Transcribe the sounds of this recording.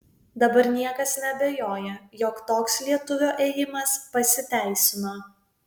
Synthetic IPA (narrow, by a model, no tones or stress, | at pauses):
d̪ɐbɐɾnʲiɛkɐsnʲɛbʲɛjoːjɛjoːkt̪oːkslʲiɛt̪ʊʋʲoːʔeːjɪmɐspɐsʲɪt̪ʲæˑɪsʲɪnoː